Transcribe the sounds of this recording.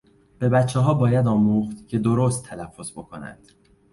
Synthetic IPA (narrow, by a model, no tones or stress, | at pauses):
b̥e̞bæt̪t͡ʃʰːɛɦɒːbɒːjæd̪ɒːmuːχt̪cʰe̞d̪oɾoːst̪ʰːælæfːo̞zbo̞kʰo̞næ̰nd̪̥